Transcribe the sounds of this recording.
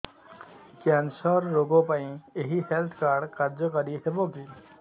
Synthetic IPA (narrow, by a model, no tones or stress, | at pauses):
kɛnsəɾːoɡõpaĩeɦiɦelt̪ʰkaːɾɖkaɾd͡ʒəkəɾiseboːɡiː